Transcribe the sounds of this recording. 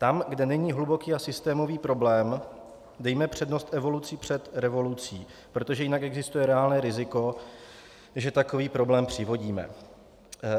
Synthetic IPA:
t̪amɡdɛnɛɲiːɦlubo̞kiːasɪst̪ɛːmo̞viːpɾo̞blɛːm | dɛjmɛpr̝̥ɛdno̞st̪ʔɛvo̞lut͡sipr̝̥ɛt̪ɾɛvo̞lut͡siː | pɾo̞t̪o̞ʒɛjɪnakɛɡzɪst̪ujɛɾɛaːlnɛːɾɪzɪko̞ | ʒɛt̪ako̞viːpɾo̞blɛːmpr̝̥ɪvo̞ɟiːmɛ̰

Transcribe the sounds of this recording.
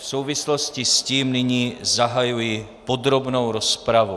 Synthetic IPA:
fsowvisloscisciːmnɪɲiːzaɦajuji | pod̪ɾobnowɾospɾavu

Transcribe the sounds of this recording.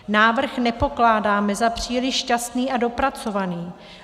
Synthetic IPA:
naːvr̩xnɛpo̞klaːdaːmɛzapr̝̥iːlɪʃʃcast̪niːʔado̞pɾat͡so̞vaniː

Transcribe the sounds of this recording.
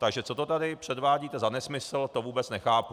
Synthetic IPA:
t̪aɡʒɛt͡sot̪ot̪adɪpr̝̥ɛdvaːɟiːt̪ɛzanɛsmɪsl̩t̪ovuːbɛt͡snɛxaːpu

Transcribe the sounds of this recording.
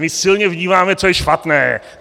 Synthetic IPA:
mɪsɪlɲɛvɲiːmaːmɛt͡sojɛʃpat̪nɛːɛ̰

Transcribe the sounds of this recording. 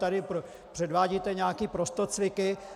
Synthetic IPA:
t̪adɪpo | pr̝̥ɛdvaːɟit̪ɛɲɛakiːpɾost̪ot͡svɪkɪ

